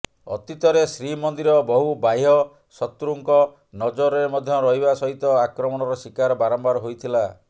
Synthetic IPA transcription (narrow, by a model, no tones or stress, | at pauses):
ɔ̰t̪it̪ɔɾesɾimɔnd̪iɾɔbɔɦubajɦɔ | sɔt̪ɾuŋkɔ | nɔd͡ʒɔɾeɾmɔd̪ʱjɔɾɔɦibasɔɦit̪ɔakɾɔmɔñɔɾɔsikaɾɔbaɾɔmbaɾɔɦojt̪ʰila